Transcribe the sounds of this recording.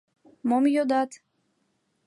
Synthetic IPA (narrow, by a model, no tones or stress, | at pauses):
mɔmjod̪at̪